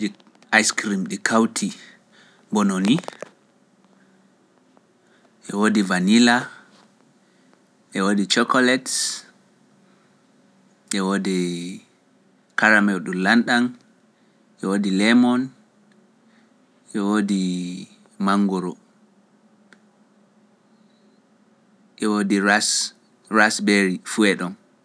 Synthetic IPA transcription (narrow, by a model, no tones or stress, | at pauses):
i | ʔajskɾimɗikʰawtʰi | bɔnoni | ʔɛwodivanila | ʔɛwodit͡ʃɔkɔlɛt | ʔɛwoːdi | kaɾamɛlɗulanɗan | ʔɛwodilɛmɔn | ʔɛwodi | maŋɡɔɾɔ | ʔɛwodias | ɾasbeɾifuɛɗɔn